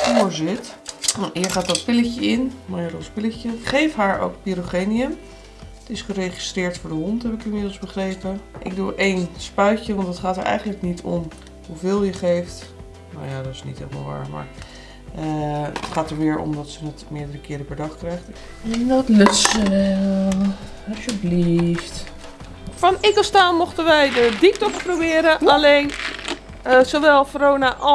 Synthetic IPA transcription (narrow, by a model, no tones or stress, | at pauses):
fʊːɹzɪtnaɦiːɹχaːtdɑtpɪləcəɪnmajədɔspɪləcəχejfɦaːɹo̰wk̚piɾoχeniəm | tɪsχərejχistrɪːɹtfʊːɹdəɦɔntɦɛpɪkɪmɪdl̩ˠzbəχrejpəʔɪ̰ɡ̚duɹʔejnspœɥcəʋɑntdɑtχaːtəɹʔɛ̰jχənləknitʰɔ̰m | ɦuvɪːlˠjəχejft | no̰wjadɔtɪ̥snḭtɛ̰ləma̰lˠʋa̰ːma̰ːɹ | əətχaːtəɹʋɪːɹɔ̰mdɔtsənətmɪəɹdərəkɪːɾəpɛɹdɑχkrɛjχtɛndɔtløtsəʋɛlˠ | ɦɛpjəblift | fɔnɪkəstaːnmɔχtənʋɛjdədik̚tɔksprowbɪːɾəalejn | soʋɛlˠfrownaʔɔ